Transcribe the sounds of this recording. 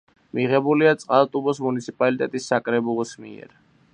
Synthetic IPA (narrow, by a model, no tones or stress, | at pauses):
miʁɛbuliat̪sʼqʼalˠt̪ʼubɔsmunit̪sʰipʼalit̪ʼɛt̪ʼisːakʼɾɛbulˠɔsmḭɛ̰ɾ